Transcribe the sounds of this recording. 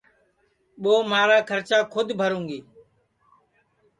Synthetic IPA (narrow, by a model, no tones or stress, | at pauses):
ɓoːmaːɾaːkʰəɾt͡ʃaːkʰʊd̪ʱbʱəɾũːŋɡiː